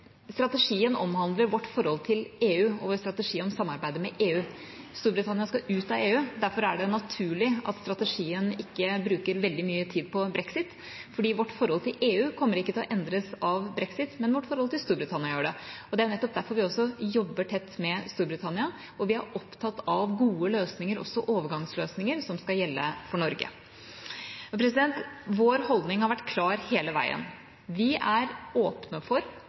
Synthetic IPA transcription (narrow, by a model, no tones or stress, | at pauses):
st̪ɾɑt̪əʂiːənɔ̰mhɑnd̪ləɾʋɔʈːfɔɾhɔlt̪ʰɪleːʉːɔ̰ːʋoɾst̪ɾɑt̪əʂiːɔmsɑmːɑɾbæɪd̪əmɛʔeːʉː | st̪uːɾbɾɪt̪ʰɑnɪɑskɑʉːt̪ɑeːʉːd̪æɾfɔɾæɖɛnɑt̪ʰʉːɭɪɑ̰t̪st̪ɾɑt̪əʂiːənɪkːəbɾʉːkəɾʋɛld̪ɪmyːət̪ʰiːd̪̚pʰɔbɾɛksɪt̪ | fɔɖiːʋɔʈːfɔɾhɔlt̪ʰɪlʔeːʉːkʰɔmːəɾɪkːət̪ʰɪlɔʔɛnd̪ɾəsɑʋbɾɛksɪt̪mɛnʋɔʈːfɔɾhɔlt̪ɪlst̪uːɾbɾɪt̪ʰɑnɪɑjøːɖɛɔd̪ɛæɾjʊnɛt̪ːɔp̚d̪æɾfɔɾʋɪɔsːɔjɔbːəʈʰɛt̪ːmɛst̪uːɾbɾɪt̪ʰɑnɪɑ | ɔʋɪæɾʔɔpt̪ʰɑt̪ːɑʋɡuːəløːsnɪŋəɾɔ̰sɔʔoːʋəɾɡɑŋsløːsnɪŋəɾsɔmskɑjɛlːə̰fɔɳɔɾɡə̰ | pʰɾɛs̬ɪd̪ɛnt̪ʋoːɾhɔld̪nɪŋhɑɾʋæʈːkʰlɑːɾheːləʋæ̰ɪə̰n | ʋɪʔæɾoːpnəfɔɾ